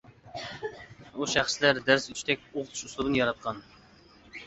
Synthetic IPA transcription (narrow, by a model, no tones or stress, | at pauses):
uʃæχslæɾd̪æɾsyt͡ʃʰt̪ʰɛk̚ʲoʁt̪ʰu̥ʃuslˠuɾɨnjɑɾɑt̪̚qʰɑn